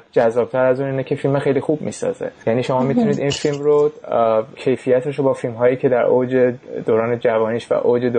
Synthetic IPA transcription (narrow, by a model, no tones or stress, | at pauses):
t̪d͡ʒæzːɒːb̥̚t̪ʰæɾæzuːniːnɛcʰe̞filmæxejliːxub̚mḭːsɒ̰ːzḛjæniːʃo̞mɒːmit̪ʰuniːd̪infilmɾo | cʰe̞jfijæt̪ʰeʃobɒːfilmɦɒːjiːcʰe̞d̪æɾʔod͡ʒe̞d̪oːɾɒːned͡ʒævɒːniːʃvæ̰ʔod͡ʒe̞d̪o